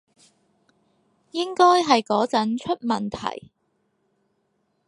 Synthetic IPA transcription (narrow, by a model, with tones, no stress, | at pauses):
jɪ˥ŋkɔː˥jɦɐ˨jkɔː˨˥t͡sɐ˨˥nt͡ʃʰɵ˥t̚mɐ˨nt̪ʰɐ̰˨˩j